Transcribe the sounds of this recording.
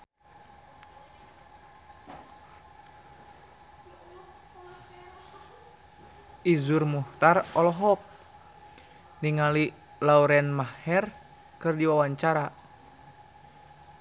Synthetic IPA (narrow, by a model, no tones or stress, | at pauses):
izurmuht̪arɔlɔɦɔk̚ | niŋali | lauɾɛnmahɛr | kɨrdiwawaɲt͡ʃaɾa